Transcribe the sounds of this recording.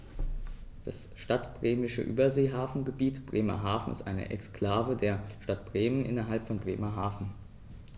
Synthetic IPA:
d̥asʃtatb̥ʁeːmɪʃə̰ʔy̰ːbɐzeːɦaːfn̩ɡəbiːtb̥ʁeːmɐ̰ɦaːfn̩ɪ̰stʔa̰ɪnə̰ʔɛ̰kskl̥aːvədeːɐʃtatb̥ʁeːmənʔɪ̰nɐɦalpfɔnbʁeːmɐɦaːfn̩

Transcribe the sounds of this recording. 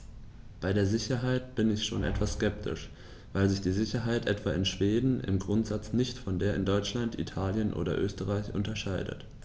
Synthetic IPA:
b̥aɪdeːɐzɪçɐɦaɪt̚b̥ɪnɪçʃoːnʔɛ̰tv̥askɛp̚tʰɪ̰ʃ | vaɪlzɪçd̥iːzɪçɐɦaɪtʔɛtv̥aːɪnʃv̥eːdn̩ɪ̰mɡʁʊntz̥at͡snɪçtfɔndeːɐɪndɔʏt͡ʃlantḭtʰaːljənʔo̰ːdɐ̰ʔøːstəʁaɪçʔʊ̰ntɐʃaɪdə̰t

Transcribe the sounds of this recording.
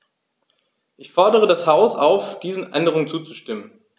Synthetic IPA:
ʔɪçfɔɐdəʁ̞ədashaʊsʔaʊfd̥iːzn̩ʔɛ̰ndəʁʊŋnt͡suːt͡suʃtɪmən

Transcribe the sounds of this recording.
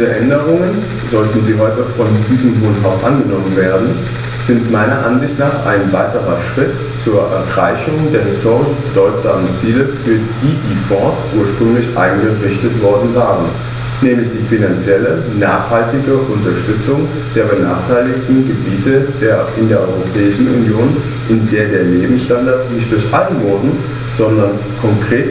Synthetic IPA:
diːʁəʔɛndəʁʊŋən | zɔltn̩ziːɦɔʏtəfɔndiːzəmvoːntɦaʊsʔa̰nɡənɔmənveːɐdn̩ | z̥ɪntmaɪnɐʔanzɪçtnaːχʔa̰ɪnvaɪtəʁɐ̰ʃʁ̥ɪt | t͡suːɐʔɛ̰ɐɡʁaɪçʊŋdeːɐɦɪstʰoːʁɪʃb̥ədɔʏtz̥a̰ːmənt͡siːləfyːɐd̥iːdiːfɔ̃ːsʔuːɐʃpʁ̥ʏŋlɪçʔa̰ɪnɡəʁɪçtətv̥ɔɐdn̩vaːʁən | nɛːmlɪçd̥iːfinant͡sjɛlən | naːχhaltɪɡəʔʊntɐʃtʏt͡sʊŋ | d̥eːɐbəna̰ːχtʰaɪlɪktn̩ɡəbiːtʰədeːɐʔɪndeːɐʔɔʏʁopʰɛːɪʃn̩ʔṵnjoːn | ʔɪndeːɐdeːɐneːbm̩sʃtandaɐtnɪçt̚d̥ʊɐçʔalənboːdn̩ | z̥ɔndɐn | kʰɔŋkʁ̥eːt

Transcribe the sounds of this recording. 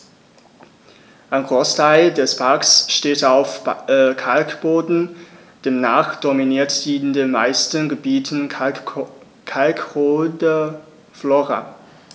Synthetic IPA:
ʔaɪnɡʁoːstʰaɪldɛspʰaɐksʃteːtaʊfkʰalkb̥oːdn̩ | d̥eːmnaːχd̥ɔminiːɐtd̥iːndeːnma̰ɪstənɡəbiːtʰən̩ | kʰalkʁoːdə | floʁa̰

